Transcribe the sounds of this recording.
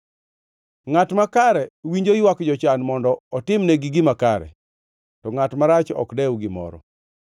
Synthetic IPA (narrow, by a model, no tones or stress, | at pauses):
ŋatmakaɾɛwiɲd͡ʒojwakd͡ʒɔt͡ʃanmɔndɔɔtɪmnɛɡɪɡɪmakaɾɛ̰ | tɔŋatmaɾat͡ʃɔ̰kdɛwɡɪmɔ̰ɾɔ̰